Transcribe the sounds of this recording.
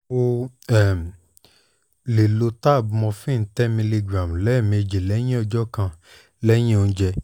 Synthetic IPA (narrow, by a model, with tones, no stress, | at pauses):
o˧ɛ˨m˨ | le˨lo˧ta˦˨bu˧mɔ̃˧fĩː˦˨n̩˦tɛ˦mĩ˧li˧ɡɾa˨m˨lɛ˦˨mĩ˧e˧d͡ʒe˨lɛ˨˦j̃ĩ˦ɔ˧d͡ʒɔ˦kã˧ | lɛ˦j̃ĩ˦o˧ñ̩˧˦d͡ʒɛ˧